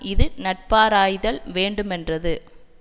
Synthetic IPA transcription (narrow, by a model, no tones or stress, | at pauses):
ɪðɯnɐʈ̚paːɾaːjðɐlʋeːɳɖɯmɛndrɐðɯ